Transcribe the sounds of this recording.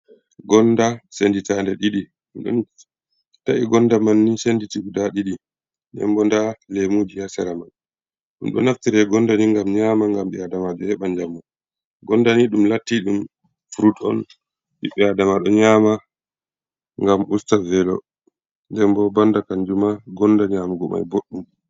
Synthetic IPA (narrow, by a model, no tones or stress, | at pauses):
ɡɔndasenditandɛɗiɗi | mɗɔ̰n | taʔiɡɔndamanːisenditiudaɗiɗi | dɛ̰mbɔndalemud͡ʒihasɛɾaman | ɗṵmɗɔ̰naftiɾɛɡɔndaniŋɡamɲaːmaŋɡamɓɛadamad͡ʒɔhɛɓaɲd͡ʒamːu | ɡɔndaniɗumlatːiɗum | fuɾutɔ̰n | ɓiɓɛadamaɗɔɲaːma | ŋɡamustavɛlɔ̰ | ndɛmbɔbandakaɲd͡ʒumaɡɔndaɲamaɡɔma̰jboɗːum